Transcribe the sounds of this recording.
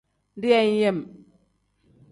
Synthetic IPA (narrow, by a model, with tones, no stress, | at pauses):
ndi˦a˦ɲ˦je˦˨m